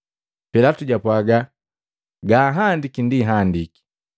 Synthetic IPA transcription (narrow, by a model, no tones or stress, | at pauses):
pɛlatuɟapwaɡa | ɡaːɦandikindiɦandiki̥